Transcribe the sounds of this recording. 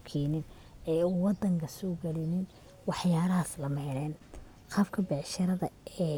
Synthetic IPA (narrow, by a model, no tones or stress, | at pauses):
kʰɛːnɪn | ɛːuwɑd̪ɐŋkʰɐsɔːɡɐlɪnɪn | wɑħjaːɾɐɦɐslɐmɛjnɛːn | qɑfkʰɐbɛʕʃɐɾɐðɐɛː